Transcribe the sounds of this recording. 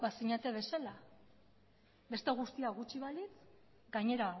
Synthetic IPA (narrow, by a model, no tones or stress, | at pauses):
basiɲat̪eβe̞sala | be̞st̪eɣust̪iaɣut͡ʃiβalit͡s | ɡaɲe̞ɾa